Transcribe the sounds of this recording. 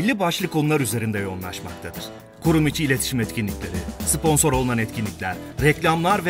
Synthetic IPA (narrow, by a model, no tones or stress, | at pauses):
lʲːibaʃlˠɯkʰːo̞nulˠaɾyze̞ɾind̪ɛjo̞nˠa̰ʃma̰k̚t̪ʰad̪ɯɾ̥ | kʰuɾumit͡ʃʰiːlʲe̞t̪ʰi̥ʃimɛt̪cʰʲinlʲiclʲe̞ɾispo̞nso̞ɾo̞lˠunanɛt̪cʰinlʲicʲlʲæɾ̥ːɛclʲamlˠaɾvɛ